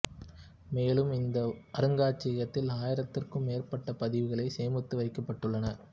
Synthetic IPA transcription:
meːlɯmɪnd̪ɐʔɐɾɯŋɡaːt͡ʃːɪɣɐt̪ːɪlaːjɪɾɐt̪ːɪrkɯmːeːrpɐʈːɐpɐðɪʋɪɣɐɭɐɪseːmɯt̪ːɯʋɐɪkːɐpːɐʈːɯɭːɐnɐ

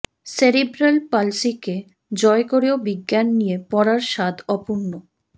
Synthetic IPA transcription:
seɾebɾelpalsike | d͡ʑɔekoɾeobiɡːjanːijepɔɾaɾʃad̪ʱɔpunːo

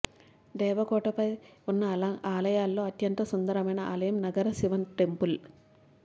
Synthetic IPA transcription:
d̪ɛːʋɐkɔːʈɐpɐjunːɐaːlɐjaːlːo̞ːɐt̪jɐnt̪ɐsund̪ɐɾɐmɐjnɐa̰ːlɐjɐmnɐɡɐɾɐsiʋɐnʈempul

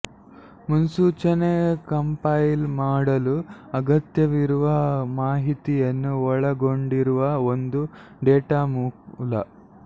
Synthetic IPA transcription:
munsuːt͡ʃɐnekɐmpɐjlmaːɽɐluɐɡɐt̪jɐʋiɾuʋɐmaːɦit̪ijɐnːuɔɭɐɡoɳɖiɾuʋɐond̪u | ɖeːʈaːmulɐ

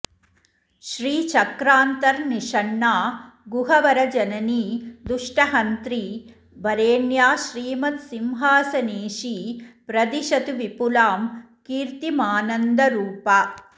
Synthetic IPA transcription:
ʃɾiːt͡ʃɐkɾaːnt̪ɐɾniʂɐɳːaː | ɡuɦɐʋɐɾɐd͡ʒɐnɐniːd̪uʂʈɐɦɐnt̪ɾiː | bɐɾeːɳjaːʃɾiːmɐt̪simɦaːsɐneːʃipɾɐd̪iʃɐt̪uʋipulaːm | kiːɾt̪imaːnɐnd̪ɐɾuːpɐ

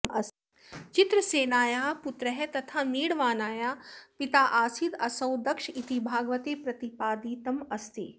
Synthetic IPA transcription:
ɐs | t͡ʃɪt̪ɾəseːnaːjaːpʊt̪ɾəɦɛt̪ɐt̪ʰaːmiːɽʋaːnaːjaːpɪt̪aːʔaːsit̪ɐsɐwd̪ɐkʃit̪ibʱaːɡʋət̪eːpɾɐt̪ipaːd̪iːt̪ɐmɐst̪i

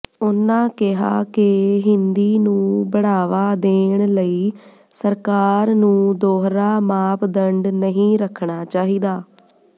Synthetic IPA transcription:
ʊnãːkɪɦa̰ːkɪɦɪnd̪iːnũːbəɽaːʋaːd̪eːɳləiː | səɾkaːɾnũːd̪oːɦɾaːmaːpd̪əɳɖnəɦĩːɾəkʰɳaːt͡ʃaːɦiːd̪aː

